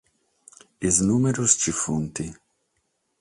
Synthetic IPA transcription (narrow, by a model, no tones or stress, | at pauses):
iznuːmeɾust͡ʃifunt̪i